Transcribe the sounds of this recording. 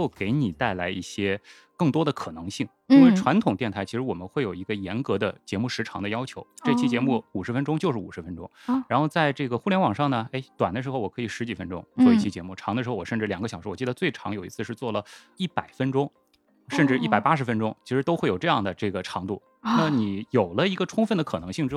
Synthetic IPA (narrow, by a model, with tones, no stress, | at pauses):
o˥˩ke˧˥ɪni˨˩t̪a˥˩ɪla˧˥ɪʔḭ˥˩ɕjɛ˥ | kɤ˥˩ŋt̪wɔ˥d̪ə˨kʰɤ˨˩nɤ˧˥ŋɕi˥˩ŋ | i˥nwe˥˩ɪʈ͡ʂʰwa˧˥nt̪ʰʊ˨ŋt̪jɛ˥˩nt̪ʰa˧˥˧ʂɻ̩˧˥wɔ˨˩mə˦xwe˥˩ɪjo˨˩ʊi˧˥ɡə˧jɛ˧˥nkɤ˧˥d̪ə˧t͡ɕjɛ˧˥mu˥˩ʂɻ̩˧˥ʈ͡ʂʰɑ̰˧˥ŋd̪ə˧jɑ˥ʊt͡ɕʰjo˧˥ʊʈ͡ʂɤ˥˧i˧t͡ɕʰi˥t͡ɕjɛ˧˥mu˥˩u˨˩ʂɻ̩˧˥fə˥nʈ͡ʂʊ˥ŋt͡ɕjo˥˧ʂɻ̩˥˩u˨˩ʂɻ̩˧˥fə˥nʈ͡ʂʊ̰˥ŋɻa˧˥nxo˥˧ʊt͡sa˥˧ɪʈ͡ʂɤ˥˩ɡə˩xu˥˩ljɛ˧˥nwɑ˨˩ŋʂɑ˥˩ŋnə˩e˥ɪt̪wa˨˩nd̪ə˦ʂɻ̩˧˥xo˧wɔ˨˩kʰɤ˧˥i˨˩ʂɻ̩˧˥t͡ɕi˨˩fə˥nʈ͡ʂʊ̰˥ŋt͡swɔ˥˧i˥˩t͡ɕʰi˧˥t͡ɕjɛ˧˥mu˥˩ʈ͡ʂʰɑ˧˥ŋd̪ə˧ʂɻ̩˧xo˧wɔ˨˩ʂə˥˧nʈ͡ʂɻ̩˥˩ljɑ˨˩ŋɡə˦ɕjɑ˨˩ʂɻ̩˧˥wɔ˨˩t͡ɕi˥˩d̪ə˩t͡swe˥˩ɪʈ͡ʂʰɑ˧˥ŋjo˨˩ʊi˧˥t͡sʰɹ̩˥˧ʂɻ̩˥˧t͡swɔ˥˩lə˩ | i˥˩pa˨˩ɪfə˥nʈ͡ʂʊ˥ŋ | ʂə˥˧nʈ͡ʂɻ̩˥˧i˥˩pa˨˩ɪpa˥ʂ̬ɻ̩˧˥fə˥nʈ͡ʂʊ˥ŋt͡ɕʰi˧˥ʂɻ̩˧˥t̪o˥ʊxwe˩ɪjo˨˩ʊʈ͡ʂɤ˥˧jɑ˥˩ŋd̪ə˩ʈ͡ʂɤ˥˩ɡə˩ʈ͡ʂʰɑ˧˥ŋt̪ṵ˥˩ | na˥˩ni˨˩˦jo˨˩ʊlə˦i˧˥ɡə˧ʈ͡ʂʰʊ˥ŋfə˥˩nd̪ə˩kʰɤ˨˩nɤ˧˥ŋɕi˥˩ŋʈ͡ʂɻ̩˥